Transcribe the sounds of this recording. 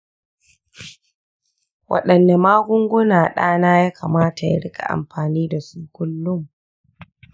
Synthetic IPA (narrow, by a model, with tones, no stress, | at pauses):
wʔɐ̰˦˨ɗɐ˨nːa˨maː˦ɡʷʊ˦ŋɡʷʊ˦naː˨ɗaː˦naː˦jaː˦kaː˨maː˦ta˨ja̰˦ɽɪ˦kʰʼa̰˨ʔa̰˨mɸaː˨niː˦da˨suː˦kʷʊ˦lːʊ˦m